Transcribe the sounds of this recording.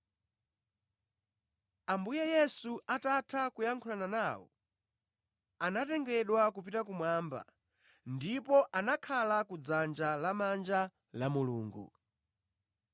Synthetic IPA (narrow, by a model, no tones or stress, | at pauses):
ambujɛjɛsuʔatatʰakujaŋkʰulananaːwɔ̰ | anatɛŋɡɛɗwakupitak̬umwaːmba̰ | ndipɔʔanakʰalakud͡zand͡ʒalamand͡ʒa | lamuluːŋɡṵ